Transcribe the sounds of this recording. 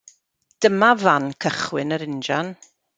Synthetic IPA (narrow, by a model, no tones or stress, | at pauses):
d̥əmavankʰəχwɪnəɾɪnd͡ʒan